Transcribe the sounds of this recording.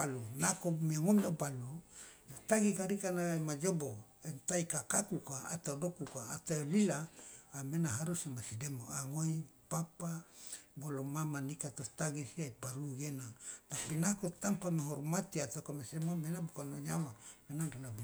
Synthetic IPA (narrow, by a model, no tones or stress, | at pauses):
alunakomiaŋomabaluot̪aɡikaɾikanaemad͡ʒobo | ent̪aikakakukaa̰t̪adokukaːt̪alilaːmenaɦaɾusimasidemoaŋoipapabolomamanikat̪ot̪aɡisiaipaɾuɡenat̪apinakot̪ampameɦɔrmat̪iat̪okamesemomenabukanoɲawamenaŋrnab